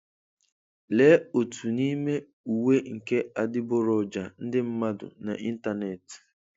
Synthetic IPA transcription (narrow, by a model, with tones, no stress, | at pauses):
le˦o˨tʰu˨ni˦me˦ | u˨we˦ŋ̩˨ke˦a˨dɪ˦bʊ˦ɾɔ˨d͡ʒa˨n̩˦dɪ˦m̩˦ma˦dʊ̰˨na̰˨ʔi˦n̩˦ta˨ne˨t